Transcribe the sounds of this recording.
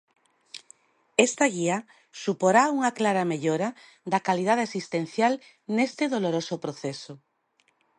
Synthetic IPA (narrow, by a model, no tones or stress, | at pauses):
est̪aɣia | supoɾauŋaklaɾameʎoɾa | d̪ɐkalið̞aðeesist̪en̟θjal | nest̪eðoloɾosopɾoθeso